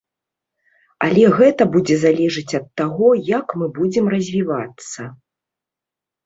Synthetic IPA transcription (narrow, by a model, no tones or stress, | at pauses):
alʲɛɣɛt̪ɐbud͡zʲɛzalʲɛʐɨt͡sʲɐt̪ːaɣɔjakmɨbud͡zʲɛmrɐzʲvʲivat̪sːɐ